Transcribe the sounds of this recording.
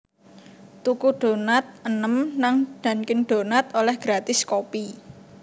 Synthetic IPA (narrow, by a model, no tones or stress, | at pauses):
t̪ukuɖ̥o̤nat̪̚ənəmnaŋɖ̥a̤nkɪŋɖ̪̥o̤nat̪̚olɛhɡ̥ɾat̪ɪskopi